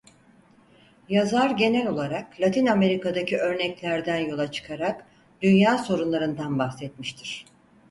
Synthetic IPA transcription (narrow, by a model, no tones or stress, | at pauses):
jazaɾɟe̞nɛlʲo̞lˠaɾaklʲat̪ʰiname̞ɾikad̪acʰiʔø̞ɾnɛclʲæɾd̪ænjo̞lˠat͡ʃʰɯ̥kʰaɾak | d̪ynjaːso̞ɾunlˠaɾɯnd̪anbaxsɛt̪miʃt̪ʰiɾ̥